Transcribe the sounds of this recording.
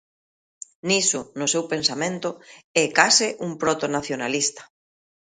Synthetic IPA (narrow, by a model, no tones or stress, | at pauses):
nisʊnʊsewpensamẽnt̪ʊɛkasɪʔuŋpɾɔt̪onaθjona̰list̪ɐ̥